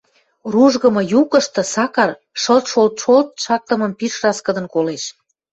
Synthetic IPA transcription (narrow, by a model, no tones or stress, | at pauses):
ruʒɣə̆mɤ̆jukə̆ʃt̪ɤ̆sɑkɑr | ʃəlt̪ʃolt̪ʃolt̪̚ʃɑk̚t̪ə̆mə̆mpiʃrɑskə̆d̪ə̆nkoleʃ